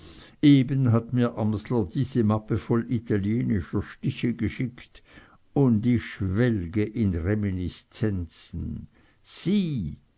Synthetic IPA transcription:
ʔeːbənɦatmiːɐʔamslɐdiːz̥əmapəfɔlʔit̪ʰaljeːnɪʃɐʃtɪçəɡəʃɪkt | ʊndɪçʃvɛlɡəʔɪnʁeminist͡sɛnt͡sn̩ | siː

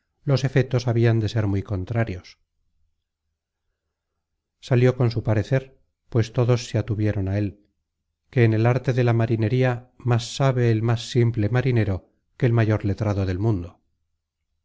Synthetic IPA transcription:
lo̞se̞fet̪o̞saβiand̪e̞se̞ɾmujko̞nt̪ɾaɾjo̞s | saljo̞ko̞nsupaɾe̞θe̞ɾ | pwe̞st̪o̞ðo̞sːeat̪uβjeɾo̞nae̞l | ke̞ːne̞laɾt̪e̞ðe̞lamaɾine̞ɾiamasːaβe̞ːlmasːimple̞maɾine̞ɾo̞ | ke̞ːlmaʝo̞ɾle̞t̪ɾaðo̞ðe̞lmũnd̪o

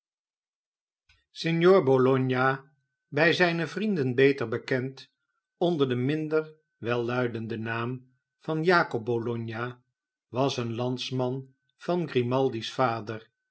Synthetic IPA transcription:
sɪnjoːɹbolɔɲja | bɛjzɛjnəvrindənbejtəɹbəkɛnt | ɔndəɹdəmɪndəɹ | ʋɛlˠːœɥdəndənaːm | v̥ɑnjaːkɔb̚bolɔɲja | ʋɑsənlɑntsmɑn | v̥ɑnɡrimɑlˠdisfaːdəɹ

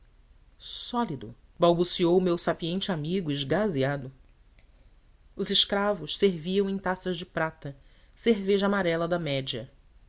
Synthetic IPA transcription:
sɔlid̪ʊ̰ | bawbusiowmewsapiẽnt͡ʃɪamiɡʊɪʒɡaziad̪ʊ | ʊzɪʃkɾavʊʃseɾviɐ̃w̃ẽj̃t̪asɐʒd͡ʒɪpɾat̪ɐ | seɾveʒɐamaɾɛlɐd̪ɐmɛd͡ʒiɐ

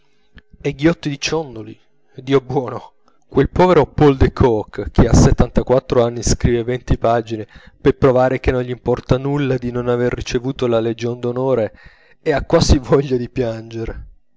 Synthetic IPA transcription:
ɛɡjɔt̪ːid̪it͡ʃɔnd̪oli | d̪iːobwɔːno | kwelpɔːveɾopold̪ekʰɔkːkːeasːet̪ːant̪akwat̪ːɾoanːiskɾiːvevɛnt̪ipaːd͡ʒinepepɾovaːɾek̟enːõnʎimpɔrt̪anulːad̪inonaverːit͡ʃevuːt̪olaled͡ʒond̪onɔːɾeː | akːwaːzivɔʎːad̪ipjand͡ʒeɾe

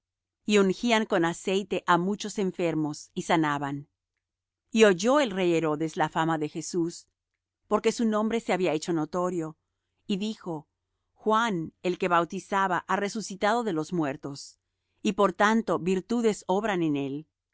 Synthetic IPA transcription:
iuŋxiaŋko̞nase̞jt̪e̞ʔamut͡ʃo̞se̞ɱfe̞ɾmo̞sisanaβan | io̞ʝo̞e̞lre̞jeɾo̞ðe̞slafamaðe̞xe̞sus | po̞ɾke̞sunõ̞mbɾe̞se̞aβiae̞t͡ʃo̞no̞t̪o̞ɾjo̞ | iðixo̞ | xwane̞lke̞βawt̪isaβaʔare̞susit̪aðo̞ðe̞lo̞zmwe̞ɾt̪o̞s | ipo̞ɾt̪ant̪o̞βiɾt̪uðe̞so̞βɾanene̞l

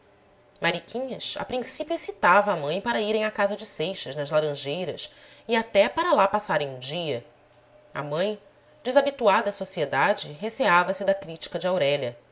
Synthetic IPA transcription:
maɾikʰʲĩɲɐsa̰pɾĩsipjuesit̪avɐːmɐ̃j̃paɾɐiɾẽj̃akazɐd͡ʒɪsejʃɐʒnɐzlaɾɐ̃ʒejɾɐs | iat̪ɛpaɾɐlapasaɾẽj̃ũd͡ʒiɐ | ɐ̰mɐ̃j̃ | d͡ʒɪzabit̪uad̪ɐːsosied̪ad͡ʒɪɦeseavɐsɪd̪ɐkɾit͡ʃi̥kɐd͡ʒɪawɾɛʎɐ

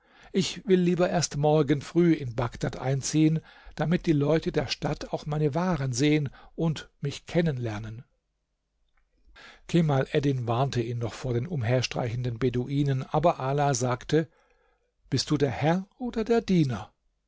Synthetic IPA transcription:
ʔɪçv̥ɪlːiːbɐʔeːɐstmɔɐɡənfʁ̥yːɪnbaɡd̥atʔa̰ɪnt͡siːənd̥amɪt̚d̥iːlɔʏtədeːɐʃtatʰaʊxmaɪnəvaːʁənzeːənʔʊntmɪçkʰɛnənlɛɐnən | kʰemalʔɛdɪnvaɐntəiːnːɔχfoːɐdeːnʊmɦeːɐʃtʁ̥a̰ɪçn̩dənbeːduʔiːnənʔaːbɐʔaːlazaːktʰə | b̥ɪst̚d̥uːdeːɐhɛɐʔoːdɐdeːɐdiːnɐ

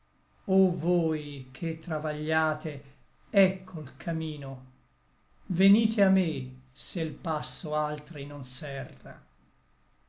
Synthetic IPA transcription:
ovoːjkʰet̪ːɾavaʎːaːt̪e | ɛkʰːolkʰamiːno | veniːt̪ʰeamːeselpasːoalt̪ɾinonsɛrːa̰

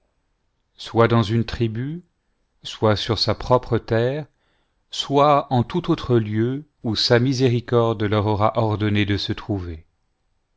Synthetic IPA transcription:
swad̪ɑ̃zynt̪χiby | swasyʁsapχɔpχət̪ɛːʁ | swaɑ̃t̪ut̪ot̪χəljø | usamizeʁikɔʁd̪lœʁɔʁaʔɔʁd̪ɔned̪əsət̪χuve

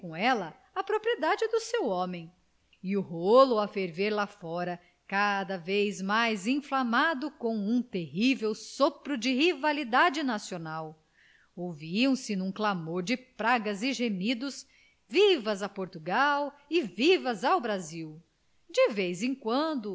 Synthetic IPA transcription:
kõw̃ɛlɐ | ɐpɾopɾied̪ad͡ʒɪd̪ʊsewɔ̃mẽj̃ | ɪʊɦolʊɐfeɾveɾlafɔɾɐ | kad̪ɐvejzmajzẽflamad̪ʊkõw̃ũt̪eɦivewsopɾʊd͡ʒɪhivalid̪ad͡ʒɪnasionaw | owviɐ̃w̃sɪnũklamoɾd͡ʒɪpɾaɡɐzɪʒemid̪ʊs | vivɐzɐpoɾt̪uɡawɪvivɐzawbɾaziw | d͡ʒɪvejzẽkwɐ̃nd̪ʊ

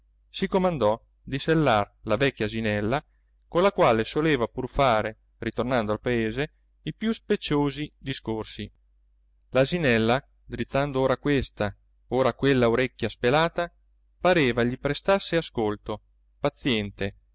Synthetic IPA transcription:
sikomand̪ɔ | d̪iselːarlavɛkʲːjazinɛlːa | konlakwaːlesoleːvapurfaːɾe | rit̪ornand̪oalpaeːze | ipjuspet͡ʃːoːzid̪iskorsi | lazinɛlːa | d̪ɾit̪sːand̪ooːɾakwest̪a | oːɾakwelːaoɾɛkʲːjaspelaːt̪a | paɾeːvaʎipɾest̪asːeaskolt̪o | pat̪sːjɛnt̪e

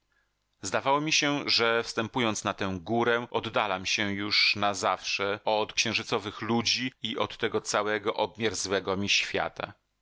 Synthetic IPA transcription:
zd̪avawɔmʲiɕɛʐɛfst̪ɛmpujɔnt̪snat̪ɛ̃w̃ɡuɾɛʔɔd̪ːalamɕɛjuʂnazafʂɛɔt̪kɕɛ̃w̃ʐɘt̪sɔvɘxlud͡ʑiiʔɔt̪ːɛɡɔt̪sawɛɡɔʔɔb̚mʲjaɾzwɛɡɔmʲiɕfʲja̰t̪a̰

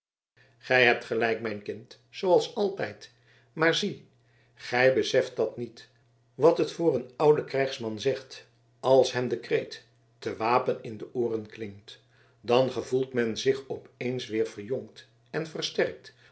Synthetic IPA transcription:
χɛjɦɛp̚tχəlɛjk̚mɛjnkɪnt | sowɑlˠsɑlˠtɛjt | maːɹzi | χɛjbəsɛft̚dɑtnit | ʋɑtɦətfʊːɹənʌwdəkrɛjχsmɑnzɛχt | ɑlˠsɦɛmdəkrejtː | əʋaːpənɪndəʔʊːrənklɪŋkt | dɑnχəvulˠtmɛnzɪχɔpejnsʋɪːɹv̥ərjɔŋkt | ɛnvərstɛrk̚t

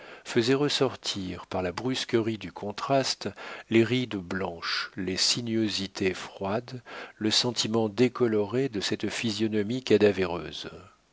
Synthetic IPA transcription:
fəzɛʁəsɔʁt̪ʰiʁpaʁlabʁyskəʁid̪ykʰɔ̃t̪χast̪leʁid̪blɑ̃ʃlesinɥozit̪efχwad̪ləsɑ̃t̪ʰimɑ̃d̪ekɔlɔʁed̪əsɛt̪fizjɔnɔmikad̪aveʁø̰ːz

